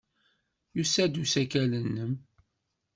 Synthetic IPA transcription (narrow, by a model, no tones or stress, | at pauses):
jusæd̪usækælənːəm